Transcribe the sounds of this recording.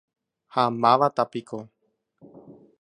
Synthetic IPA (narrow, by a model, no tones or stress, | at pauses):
hamãʋat̪apiko